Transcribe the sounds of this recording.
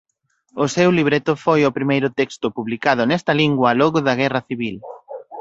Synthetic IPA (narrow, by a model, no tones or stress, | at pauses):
ʊsewliβ̞ɾet̪ʊfojʊpɾimejɾʊt̪ekst̪ʊpuβlikaðʊnɛst̪ɐliŋɡwɐlɔɣʊðɐɣɛrɐθiβil